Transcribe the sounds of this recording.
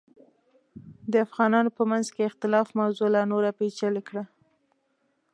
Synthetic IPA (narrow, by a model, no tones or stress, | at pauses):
d̪əafɣɑnɑnopəmanzkeɪxt̪ɪlɑfmawzolanoɾapet͡ʃalikɽa